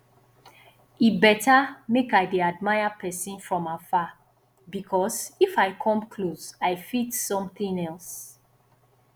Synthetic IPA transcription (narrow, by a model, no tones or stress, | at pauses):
ibɛtamekaɪdead̚maɪapʰɛsĩnfɹɔ̃mafa | bikʰɔsifaɪkʰɔ̃mkʰlosaɪfitsɔ̃mθĩŋɛls